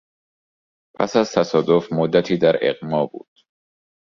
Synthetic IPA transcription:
pʰæ̰sæzt̪ʰæsɒːd̪ofmod̪ːæt̪ʰiːd̪æɾḛqmɒːbṵːd̪̥

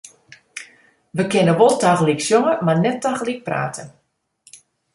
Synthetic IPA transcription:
ʋəkɪnəʋolˠtaɣliksjoŋəmarnɛtːaɣəlik̚pra̰ːtʰə

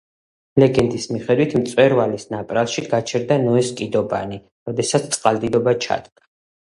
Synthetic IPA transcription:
lɛɡɛnd̪ismiχɛd̪wit̪ʰmt̪sʼwɛɾvalisnapʼɾalˠʃiɡat͡ʃʰɛɾd̪anɔɛskʼid̪ɔpʼa̰ni | ɾɔd̪ɛsat̪sʰt̪sʼqʼald̪id̪ɔbat͡ʃʰa̰d̪̥ɡa

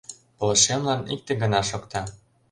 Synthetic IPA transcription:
pŏlɤ̆ʃemlɑnḭk̚t̪eɡə̆nɑʃokt̪ɑ

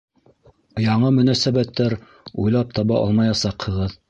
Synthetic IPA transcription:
jɑɴɤmɵ̆næsæβæt̪ːæɾ | ujlˠɑp̚t̪ɑβɑʔɑ̰lˠmɑjɑsɑqhɤ̆ʁɤð

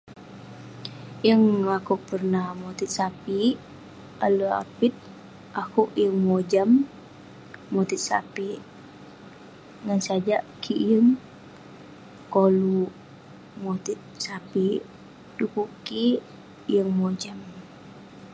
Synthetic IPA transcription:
jəŋlakuʔpərnahmot̪it̪̚sapi | alua̰pit̪̚ | ʔakuʔjəŋmod͡ʒam | ot̪it̪̚sa̰pi | ŋansad͡ʒaʔkʰijəŋ | kolu | mot̪it̪̚sapi | dukuki | jəŋmod͡ʒam

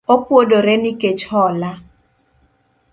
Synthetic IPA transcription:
opwodoɾɛniket͡ʃhɔla

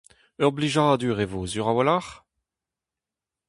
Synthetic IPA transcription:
œʁbliʒaːd̪yʁevozyʁawalaʁ

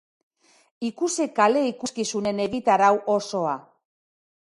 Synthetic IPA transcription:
ikusekale̞ikuskisune̞ne̞ɣit̪aɾawʔo̞so̞a

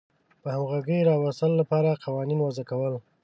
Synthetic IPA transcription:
pəhamɣaɡəjɾɑwast̪əloːapɑɾaqawɑninwazakawəl

